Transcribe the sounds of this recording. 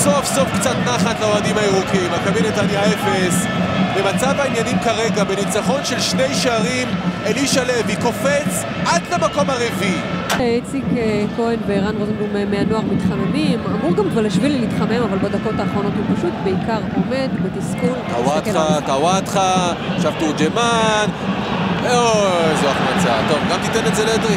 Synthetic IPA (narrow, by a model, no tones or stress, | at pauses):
sofso̞fkt͡sat̪naχatlaoadimaiʁukimakavinet̪anjaefes | bemat͡savainjanimkaʁe̞ɡabenit͡saχo̞nʃe̞lʃnejʃeaʁimeliʃale̞viko̞fet͡s | ʔad̪lemako̞maʁevi | et͡sikekoenveʁanʁozimumemeano̞aʁmitχamemimamuʁɡamkvaʁlaʃvilelit̪χamemavalbad̪ako̞t̪aːχʁo̞no̞t̪hupaʃut̪be̞ikaʁome̞d̪bat̪iskunt̪awat̪χat̪awat̪χaʃavt̪ud͡ʒeman | ozuaχmat͡sat̪ovɡamt̪it̪enezeledʁi